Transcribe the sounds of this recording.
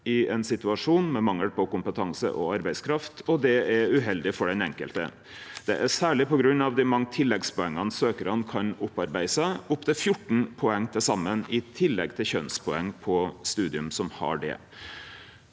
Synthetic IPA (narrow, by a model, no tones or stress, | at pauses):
ɪɛnsɪt̪ʉɑʂuːnmɛmɑŋːəlpʰɔkʊmpət̪ʰɑŋsə̰ʔɔ̰ɑɾbæɪskʰɾɑft̪ɔd̪ɛæʉɦɛld̪ɪfɔɖɛnɛŋkəlt̪ə̰ | d̪ɛ̰ʔæsæːɭɪpɔɡɾʉnːɑʋd̪ɛmɑŋːt̪ʰɪlːɛɡspʰɔɛŋːənsøːkəɾɑnkʰɑnʊpːɑɾbæɪsəʊpt̪ʰɪfjʊʈːɳ̩pʰɔɛŋːt̪ʰɛsɑmːənɪt̪ʰɪlːɛɡt̪ʰɪlçœnspʰɔɛŋːpʰɔst̪ʉːd̪ɪʉmsɔmhɑ̰ɖɛ̰